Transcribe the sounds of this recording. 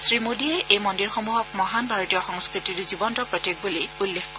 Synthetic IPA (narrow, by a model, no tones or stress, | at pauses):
sɹimodiɛʔejmɔndiɹxomuɦɔk̚mɔɦanbʱaɹɔtijɔxɔŋskɹitiɹzibɔntɔpɹɔtjek̚buliulːexkɔ